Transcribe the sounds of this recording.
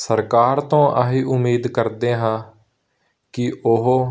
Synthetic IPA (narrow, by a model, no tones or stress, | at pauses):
səɾkaːɾt̪õːʔaɦiːʔʊmiːd̪kəɾd̪eːɦãː | kɪʊɦː